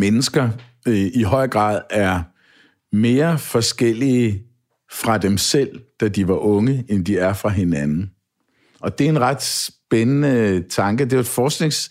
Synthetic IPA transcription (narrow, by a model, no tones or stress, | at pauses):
menəsɡ̥ɐ | ʔiɦɒ̽ɪ̰ɡ̥ʁɑ̰̈ːðˠæɐ | me̝ːɐfɒ̽sɡ̥el̰iə | fʁɑ̈d̥emsel̰d̥ædiʋɑ̈ʔɔ̽ŋəend̥iæɐfʁɑ̈ɦe̝nænn̩ | ʔɒ̽d̥e̝e̝nʁɑ̈d̥sb̥enənət͡sʰɑ̈ŋɡ̥əd̥e̝d̥fɒːsɡ̥ne̝ŋs